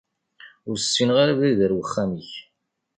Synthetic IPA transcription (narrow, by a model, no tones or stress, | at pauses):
ʊɾsːinʁaɾavæðəɾwəχːæmiç